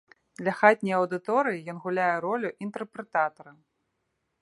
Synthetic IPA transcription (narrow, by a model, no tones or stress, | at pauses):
d̪lʲɐxat̪ʲnʲɐjɐwd̪ɨt̪ɔɾɨjijɔnɣulʲajɛɾɔlʲuʔint̪ɛrpɾɛt̪at̪ɐɾɐ